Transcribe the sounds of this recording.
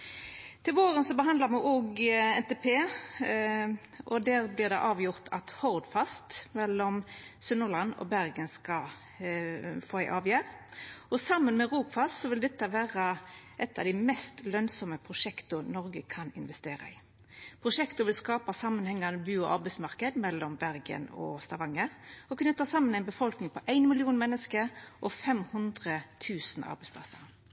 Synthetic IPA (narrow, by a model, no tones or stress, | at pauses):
t̪ʰɪlʋoːʁənsɔbəɦɑnd̪lɑʁmɛʔoːɡɛnt̪ɛpʰeː | ʔɔd̪æːʁblɪʁd̪ɛʔɑːʋjʊʁt̪ʰɑt̪hɔʁd̪fɑst̪mɛlːɔmsʉnːəʁlɑnɔ̰bæʁɡənskɑ | foːæɪʔɑːʋjæːʁɔsɑmːənmɛʁuːpfɑst̪sɔʋɪld̪ɛt̪ːəʋæːʁɑʔɛt̪ːɑ̰ʋd̪æɪmɛst̪lœnsɔməpʰʁʊʂɛkt̪ʊnɔʁɡəkʰɑnɪ̰nʋɛst̪eːɾɑ̰ɪ | pʰʁʊʂɛkt̪ʊʋɪlskɑːpɑsɑmːənhɛŋːɑnəbʉːɔʔɑɾbæɪsmɑʁkəd̪mɛlːɔmbæɾɡə̰nɔ̰st̪ɑʋɑŋːəɔkʰʉnət̪ʰːɑsɑmːənæɪnbəfɔlknɪŋpʰɔʔæɪnmɪlɪuːnmɛnːəskəɾʔɔfɛmhʉnd̪ʁət̪ʰʉːsənɑ̰ɾbɛɪspʰlɑ̰səʁ